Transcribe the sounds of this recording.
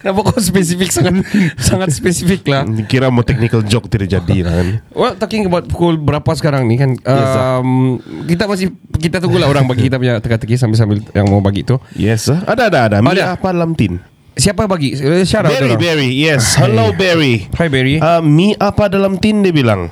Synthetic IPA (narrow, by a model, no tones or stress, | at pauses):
nabakɔspɛsifik̚saŋat̪saŋat̪̚spɛsifiklahkiɾamat̪ɛk̚nikəld͡ʒɔk̚t̪ərd͡ʒadḭla̰kanwɛlt̪ɔkiŋəbawt̪̚pukulbəɾapas̬ə̥kaɾaŋnikanəɛmkit̪amasɪh | kit̪at̪uŋɡulaoɾaŋbaɡikit̪ap̬uɲat̪əkat̪əkis̬ambɪls̬ambɪljaŋmawbaɡiʔ̚t̪ujɛsaadaːdaːdamidaapadalamt̪ɪn | siapabaɡiʔsaɾabdalabɛɹijɛshalowbɛɾihajbɛɾiəmiʔapadalamt̪ɪndiəbilaŋ